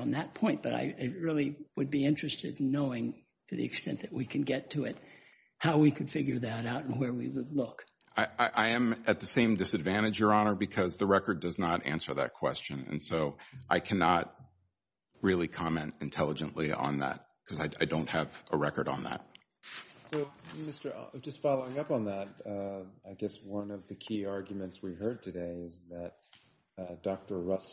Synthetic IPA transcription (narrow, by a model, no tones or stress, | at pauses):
n̩ðɨt̚pʰɔ̃ɪ̃n̚b̥ʌɾa̰ɪʔɪt̚ɹɪlˠiwɨd̚biɪ̃nt͡ʃɹ̥ɨstɨdⁿnoʊɪ̃ŋ | tʰɨðḭɨkstɛ̰̃nðɨt̚wikʰɨ̃n̩ɡɛtʰɨɪt̚ | haʊwikʰɨd̥fɪɡjə˞ðɨɾaʊɾn̩wə˞wiwədˡlʊk | ʔaɪaɪʔaɪɨ̃mɨt̪̚ðɨsẽɪ̃mdɨsɨdvæ̃ɾ̃ɨd͡ʒə˞ɑnə˞bɨkʰʌzðɨɹɛkə˞dʌznəɾæ̰̃nsə˞ðɨ̰t̚kʰw̥ɛ̰st͡ʃɨ̃nɨ̰̃nsoʊʔaɪkʰænɑt̚ | ɹɪlˠikʰɑmɛ̃ntɨ̃ntʰɛlˠəd͡ʒɨ̃nʔliə̰̃nðæ̰t̚ | kʰʌzaɪaɪdõʊ̃nt̚hɨvʔəɹɛkə˞ɾn̩ðæ̰t̚ | soʊmɪstə̰˞d͡ʒʌstfɑlˠoʊɪ̃ŋʌpn̩ðət̚aɪɡɛswʌ̃nʌvðɨkʰiɑɹɡjmɨ̃ntswihɜ˞d̚tʰɨdeɪɪzðɨt̚ | d̥ɑk̚tə˞ɹʌs